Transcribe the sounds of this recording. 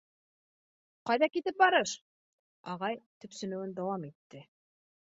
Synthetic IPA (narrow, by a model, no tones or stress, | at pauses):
qɑjðɑkit̪ɘp̚bɑɾɤʃ | ɑʁɑjt̪ɵ̆psɵ̆nɵ̆wɘnd̪ɑwɑmit̪ːɘ